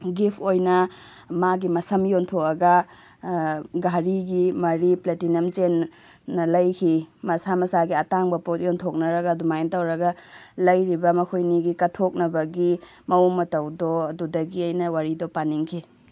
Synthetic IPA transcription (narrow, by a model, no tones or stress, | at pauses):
ɡipʰojnɐ | maɡimɐsɐmjontʰokɐɡɐ | ɡaɾiɡimɐɾipletinɐmt͡ʃenː | ɐlɐjkʰimɐsamɐsaɡiɐtaŋbɐpot̚jontʰok̚nɐɾɐɡɐːdumajntawɾɐɡɐlɐjɾibɐmɐkʰojniɡikɐtʰok̚nɐbɐɡi | mɐoŋmɐtɐwdɔɐdudɐɡiajnɐwaɾidopaniŋkʰi